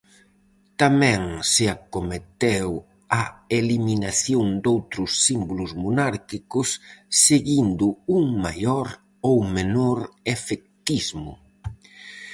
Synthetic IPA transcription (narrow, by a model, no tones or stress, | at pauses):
t̪amɛ̃ŋsɪakomet̪ew | aeliminaθjoŋd̪owt̪ɾʊsːimbulʊzmonaɾkikʊsːeɣind̪ʊuŋmajɔɾ | owmenoɾefek̚t̪izmʊ̰